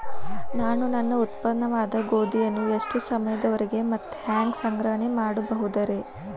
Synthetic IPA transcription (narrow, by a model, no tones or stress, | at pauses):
naːnunɐnːɐut̪̚pɐd̪ɐnɐʋaːd̪ɐɡo̞ːd̪ijɐnːueʂʈusɐmɐjɐd̪ɐʋɐɾeɡe̞mɐt̪ːu̥haːŋɡsɐŋɡɾɐɦɐɳemaːɽubɐɦud̪ɐɾe̞